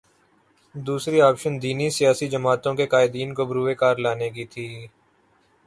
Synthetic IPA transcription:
d̪uːsɾiaːpʃənd̪iːnisɪjaːsid͡ʒəmaːt̪õkekaːɪd̪iːnkobɾuːʋekaːɾlaːnekit̪ʰiː

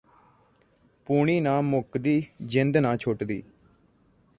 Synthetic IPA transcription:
puːɳ̃iːnaːmʊkd̪iːd͡ʒɪnd̪nãːt͡ʃʰʊʈd̪ḭː

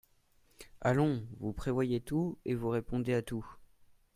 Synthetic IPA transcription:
alɔ̃vupχevwajet̪uevuʁepɔ̃d̪eat̪u

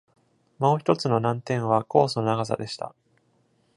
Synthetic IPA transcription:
mo̞ːçi̥t̪o̞t͡sɨno̞nãnt̪ẽ̞ɰ̃β̞ako̞ːsonaɡaza̰d̪e̞ɕi̥t̪a̰

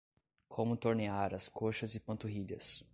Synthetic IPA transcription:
kʰõmʊt̪oɾneaɾɐskʰoʃɐzɪpɐ̃nt̪uɦiʎɐ̰s

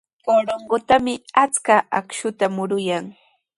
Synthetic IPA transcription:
koɾoɴɢot̪amɪat͡skaakʃʊt̪amʊɾʊjaŋ

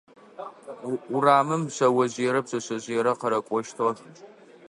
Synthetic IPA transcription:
ʊraːmɨmɕɐwɐʑiɛɾɐpsʼɐɕɐʑiɛɾɐqɐɾɐkʷʼɔʃtʰʁɐ

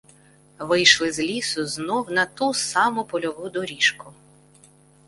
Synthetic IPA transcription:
ʋɪjʃlˠɪzlʲisʊznɔwnɐt̪usɑmʊpɔlʲɔʋud̪ɔɾʲiʃkʊ

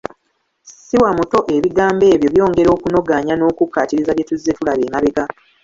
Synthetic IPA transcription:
siwamuto̞ʔe̞βiɡaːmbe̞ːβjo̞βjo̞ːŋɡe̞ɾo̞ːkuno̞ɡaɲano̞ːkukːatiɾizaβje̞tuzetulaβeːmaβeka

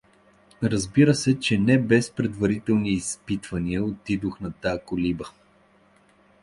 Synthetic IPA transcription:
ɾəzbiɾəsɛt͡ʃɛnɛbɛspɾɛd̪vɐɾit̪ɛlˠniːspit̪vɐniəot̪id̪oxnɐt̪akolibə

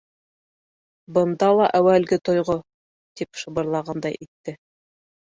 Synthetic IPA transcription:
bɤ̆nd̪ɑlˠɑʔæwælɡɘt̪ŏjʁo | t̪ipʃɤ̆bɤ̆ɾlˠɑʁɑnd̪ɑjʔit̪ːɘ

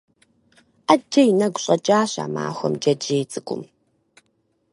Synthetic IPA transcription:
ʔad͡ʒɐjinɐɡʷʊɕʼɐt͡ʃʼaːɕa̰ːma̰ːxʷɔmd͡ʒɐd͡ʒeːt͡sʼɨkʷʼʊ̰m

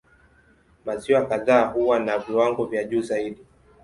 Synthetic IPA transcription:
maziwakaðaːhuwanaviwaŋɡɔvjaʄuːzaiɗi

